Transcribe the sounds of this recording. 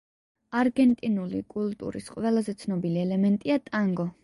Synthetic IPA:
aɾɡɛnt̪ʼinulikʼulˠt̪ʼṵɾḭsqʼwɛlˠazɛt̪sʰnɔbiliɛlɛmɛnt̪ʼiat̪ʼaŋɡɔ

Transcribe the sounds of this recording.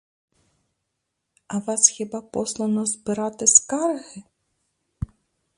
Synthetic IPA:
ɐʋɑsxʲibɑpɔslˠɐnɔzbɪɾɑt̪ɪskɑrɣɪ

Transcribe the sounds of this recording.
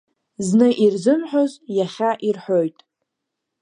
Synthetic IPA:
znɨʔirzɨmħʷᶣozjaχʲaʔirħʷojtʼ

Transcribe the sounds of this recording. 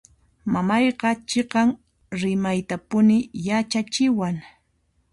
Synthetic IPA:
mamɑjqɑt͡ʃeqɑŋ | ɾɪmajt̪apʊnɪjat͡ʃat͡ʃɪwaŋ

